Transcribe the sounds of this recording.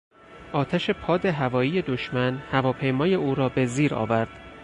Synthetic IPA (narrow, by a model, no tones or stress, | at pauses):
ʔɒːt̪ʰæʃe̞pʰɒːd̪eɦævɒːiːje̞d̪o̞ʃmænhævɒːpʰe̞jmɒːje̞uːɾɒːbe̞ziːɾɒ̰ːvæɾd̪̥